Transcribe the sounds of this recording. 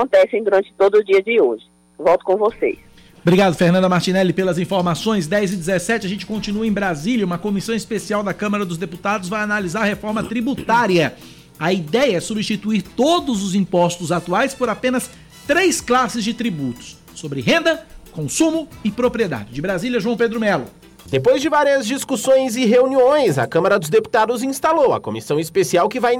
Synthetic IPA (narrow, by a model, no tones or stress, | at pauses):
kõnt̪ɛsẽj̃d̪uɾɐ̃nt͡ʃɪ̥t̪od̪ʊd͡ʒiɐd͡ʒɪoʒɪ | vɔwt̪ʊ̥kõvosḛjs | bɾiɡad̪ʊfeɾnɐ̃nd̪ɐmaɾt͡ʃinɛlɪpelɐzĩfoɾmasõj̃s̬d̪ɛjzɪd͡ʒɪzesɛt͡ʃɪaʒẽnt͡ʃɪ̥kõnt͡ʃinuɐẽj̃bɾaziljɐũmɐkomisɐ̃w̃ɪspesiawd̪ɐkɐ̃mɐɾɐd̪ʊzd̪eput̪ad̪ʊzvajanalizaɾɐhefɔɾmɐt̪ɾibut̪aɾiɐ | ɐid̪ɛjɐɛsubist͡ʃit̪uiɾt̪od̪ʊzʊzĩpɔst̪ʊzat̪uajspoɾapẽnɐs | t̪ɾejsklasɪzd͡ʒɪt̪ɾibut̪ʊ̥sːobɾɪɦẽnd̪ɐkõsũmʊɪpɾopɾied̪a̰d͡ʒɪd͡ʒɪbɾaziljɐʒuɐ̃w̃ped̪ɾʊmɛlʊ̰ | d̪epojzd͡ʒɪvaɾiɐzd͡ʒiskusõj̃zɪɦeuniõj̃zɐ̰kɐ̃mɐɾɐd̪ʊzd̪epu̥t̪ad̪ʊzĩst̪alowɐ̰komisɐ̃w̃ispesiawkɪvaj